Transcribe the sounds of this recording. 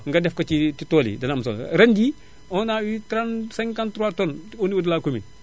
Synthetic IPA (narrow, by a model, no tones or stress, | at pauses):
ŋɡɐdɛfkɐt͡ʃititɔːlḭdɐnamsɔ̰l̰ɾɛndi | ɔnawitɾansɛŋkantɾwatɔnɔniwudlakomḭ